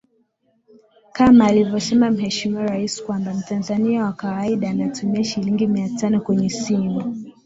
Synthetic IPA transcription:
kamaːlivjɔsɛmam̩hɛʃimiwaɾaisi̥kwambam̩tanzaniawakawaiɗaːnatumiaʃiliŋɡimiatanɔkwɛɲɛsimu

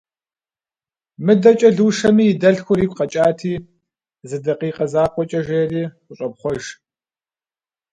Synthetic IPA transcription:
mɨdɐt͡ʃʼɐɮuːʂɐmiːjːdɐɬxʷʊɾiːkʷʰʼqɐt͡ʃʼaːtʰiː | zɨdɐqiːqɐzaːkʷʼɔt͡ʃʼɐʒeːriː | ʊɕʼɔp̚χʷɔʒ

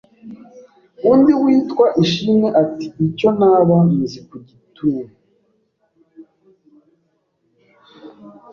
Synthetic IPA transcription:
undiwiːtkwaʔiʃineʔati̥iconaːβazikuɟituːmu

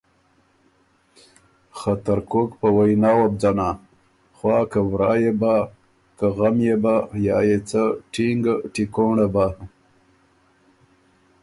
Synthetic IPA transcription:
xat̪aɾkokpəwajnɑːwab̚d͡ʒana | xwɑːkawɾɑːjeba | kaɣamjebajɑːjet͡saʈiŋɡʈikoɳaba

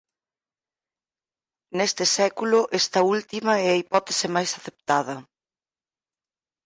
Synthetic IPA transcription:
nest̪ɪsɛkulʊʔɛst̪ɐult̪imɐɛɐipɔt̪esɪmajsaθep̚t̪aðɐ

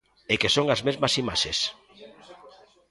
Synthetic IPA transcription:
ekesoŋazmezmasima̰ʃes

